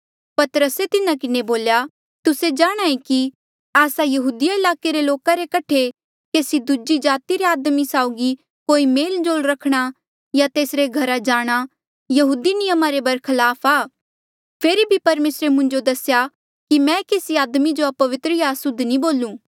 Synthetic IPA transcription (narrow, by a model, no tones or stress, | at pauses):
pɐt̪ɾəset̪ɪnakɪneboːlja | t̪ʊsed͡ʒaːɽ̃aːẽki | aːsajɐɦuːd̪ɪjaɪlaːkeɾeloːkaɾekɐʈʰe | keːsid̪ud͡ʒid͡ʒaːt̪iɾeaːd̪misaːʊɡi | koːimeːld͡ʒoːlɾɐkʰɽ̃a | jat̪eːsɾeɡʱɐɾad͡ʒaːɽ̃a | jɐɦuːd̪inɪjəmaɾebɐɾkʰɐlaːpʰaː | pʰeːɾibʱipɐɾmeːsɾemʊ̃ɲd͡ʒod̪ɐsja | kimɛ̃keːsiaːd̪mid͡ʒoɐpɐʋɪt̪ɾəjaːsʊd̪ʱnĩboːlũː